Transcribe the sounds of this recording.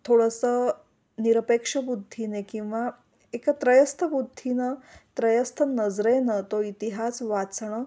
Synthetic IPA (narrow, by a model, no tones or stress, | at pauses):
t̪ʰoɽəsə | niɾəpekʂəbud̪ʱːinekĩw̃ʋa | ekt̪ɾəjəst̪ʰəbud̪ʱːinət̪ɾəjəst̪ʰənəd͡zɾenət̪oit̪iɦasʋat͡sɳ̃ə